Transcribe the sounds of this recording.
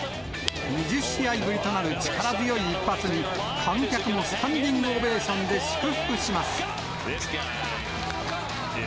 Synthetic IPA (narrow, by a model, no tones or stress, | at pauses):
mid͡ʑiɕiaiɡɯ̟ɾʲit̪o̞naɾɯ̟t͡ɕi̥kaɾazɨjo̞iːpːat͡sɨɲ̟i | kʰãŋkʲakɯ̟mo̞sɨ̥t̪ʰãnd̪ʲĩŋɡɯ̟obe̞ːɕõ̞nd̪e̞ɕi̥kɯ̟ɸɯ̟̥kɯ̟ɕimasɨ̥